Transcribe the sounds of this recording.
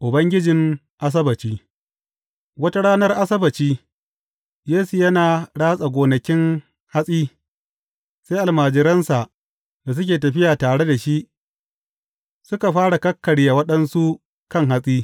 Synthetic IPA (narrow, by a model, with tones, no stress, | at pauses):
ʔʊ˨bɐ˦ŋɡʲɪ˦d͡ʒɪ˨ŋ | ʔa˦s̬ɐ˦bɐ˨t͡ʃiː˦ | wɐ˦ta˦ɽaː˦nɐ˦rʔa˦sɐ˦bɐ˨t͡ʃiː˦ | jeː˦su˨jɐ˦naː˨ɽaː˦sʼa˨ɡʷoː˨nɐ˨kʲɪ˦ŋ | ha˦sʼiː˦ | se˦ʔa˨lmaː˨d͡ʒɪ˨ɾɐ˦nsa˨ʔ | da˨s̬ʊ˦k̬ʲeː˨tɐ˨ɸɪ˦jaː˨taː˨ɽe˦da˨ʃi˦ʔ | sʊ˦ka˨ɸaː˦ɽa˨kɐ˦kːɐ˨ɽja˨wɐ˦ɗɐ˦nsu˦ | kɐ˦ŋɦa˦sʼiː˦